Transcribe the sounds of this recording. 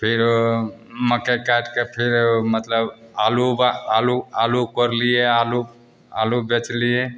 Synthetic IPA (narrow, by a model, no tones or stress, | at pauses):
pʰiɾ | məkekaʈkepʰiɾmət̪ləbalubalualukəɾliealu | a̰lubet͡ʃlie